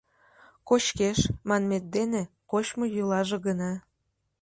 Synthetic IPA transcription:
kot͡ɕkeʃmɑnmet̪̚d̪ene | kot͡ɕmojylɑʒeɣənɑ

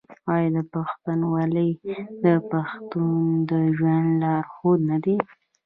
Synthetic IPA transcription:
ɑjɑd̪əpaxt̪anwɑləjd̪əpaxt̪und̪əʒwand̪lɑɾxod̪nad̪e

